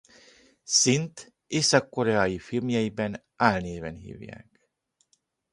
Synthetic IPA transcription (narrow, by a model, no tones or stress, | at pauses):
sint̪ | eːsɒkːo̞ɾɛaːjifilmjɛjibɛn | aːlneːvɛnɦḭːvja̰ːk